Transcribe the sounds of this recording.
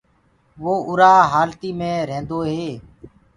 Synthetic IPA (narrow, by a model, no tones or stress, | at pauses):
ʋoːʔʊɾaːɦaːlt̪iːmẽːɾẽːnd̪oːɦeː